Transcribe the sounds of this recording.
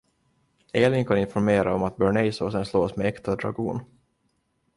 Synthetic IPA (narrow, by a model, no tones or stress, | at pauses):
eːlɪŋkʰanɪnfɔɾmeːɾaɔmat̪̚bœɳɛɪsoːsɛnsloːsmɛɛkt̪ʰad̪ɾa̰ɡṵːn